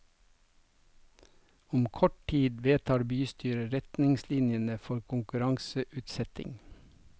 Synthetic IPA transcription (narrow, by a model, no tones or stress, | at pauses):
ʊmkʰɔʈʈʰiːd̪ʋeːt̪ʰɑːɾbyːst̪ʰyːɾəɾɛt̪nɪŋslɪnjənəfɔɾkʰʊŋkʉɾɑŋsəʔʉːt̪sɛt̪ɪ̰ŋ